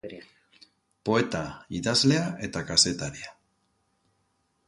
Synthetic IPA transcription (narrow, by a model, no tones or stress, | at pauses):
po̞e̞t̪aiðazle̞aʔe̞t̪akase̞t̪aɾia